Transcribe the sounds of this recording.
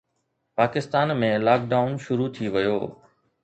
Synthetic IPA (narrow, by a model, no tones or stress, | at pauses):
paːkɪst̪aːnmẽlaːk̚ɖaːʊnʃʊɾut̪ʰiʋɐjo̰ː